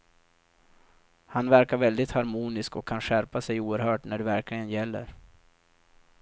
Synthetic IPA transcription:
hanvæɾkaɾvɛld̪ɪt̪haɾmuːnɪskɔkʰːanɧæɾpasɛjuːəɾhœːʈnæɖɛvæɾklɪɡənjɛlːə̰ɾ

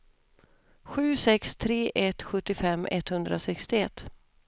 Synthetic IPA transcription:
ɧʉ̟ːsɛkst̪ʰɾeːʔɛt̪ɧɵt̪ːɪfɛmːʔɛt̪hɵnd̪ɾasɛkst̪ɪɛt̪ː

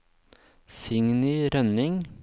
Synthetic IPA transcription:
sɪŋnɪɾœnɪŋ

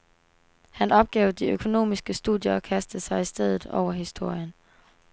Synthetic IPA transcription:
hænɒ̽b̥̚ɡ̥ɛːʊd̥iøkʰo̝no̝̰ːmisɡ̥əsd̥uðˠjɐɒkʰæsd̥əsɑ̈ɪisd̥eð̞ˠð̩ˠɒ̰ʊ̰ɐɦisd̥o̝ɐ̰jən

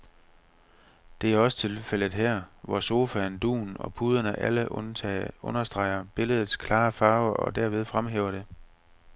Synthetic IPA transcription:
d̥e̝æɐɒ̽sə̥t͡sʰe̝lfel̰ð̩ˠɦæɐ̰ʋɒso̝ːfænd̥ṵːn̩ɒ̽pʰuːð̞ˠɐnəʔæləʔ | ɔ̽nɐsd̥ʁɑ̈ɪ̰ɐb̥e̝ləð̞ˠð̩ˠskʰlɑ̈ːfɑ̈ːʊɐʔɒ̽d̥æɐ̰ʋe̝ð̞ˠfʁamɦḛːʊɐɾ̥e̝

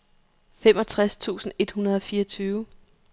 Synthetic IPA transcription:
femɒ̽t͡sʰʁast͡sʰṵːsn̩e̝d̥hunɐð̞ˠɒ̽fiːɐɒt͡sʰyːʊ

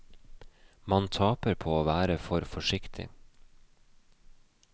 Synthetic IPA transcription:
mɑnt̪ʰɑːpəɾpʰoːoːʋæːɾəfɔɾfɔʃɪkt̪ʰɪ̰

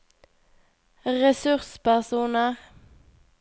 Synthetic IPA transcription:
ʁɛsɵʁspæʁsuːnəʁ

